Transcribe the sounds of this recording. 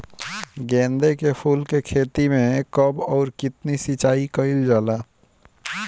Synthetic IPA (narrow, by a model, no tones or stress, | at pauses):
ɡɛ̃ːnd̪ekepʰuːlkekʰeːt̪imẽkəbɔːɾkɪt̪nisit͡ʃaːikəɪld͡ʒaːlaː